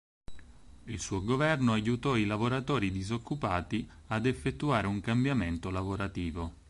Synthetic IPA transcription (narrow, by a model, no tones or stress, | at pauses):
ilsuːoɡovɛrnoajut̪ɔilavoɾat̪ɔːɾid̪izokːupaːt̪iad̪efːet̪ːuaːɾeuŋkambjament̪olavoɾat̪iːvo